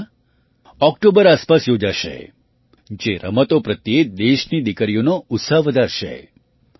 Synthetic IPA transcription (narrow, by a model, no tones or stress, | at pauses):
ɔk̚ʈobəɾaspasjod͡ʒaʃḛ | d͡ʒeɾə̰mət̪opɾət̪jed̪eʃnid̪ikəɾijonoʊt̪saɦʋəd̪ʱaɾʃḛ